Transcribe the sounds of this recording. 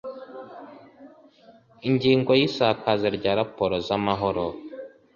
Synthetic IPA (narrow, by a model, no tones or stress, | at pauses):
iɲɟiːŋɡo̞jisakazeɾɟaːɾapoɾozamaɦo̞ɾo